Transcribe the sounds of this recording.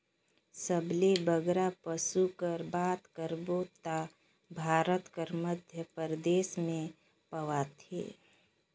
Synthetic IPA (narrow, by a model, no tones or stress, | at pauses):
səblebəɡɾapəsukəɾbaːt̪kəɾboːt̪a | bʱaːɾət̪kəɾməd̪ʱjəpəɾd̪eːsmẽ | pəʋat̪ʰḛː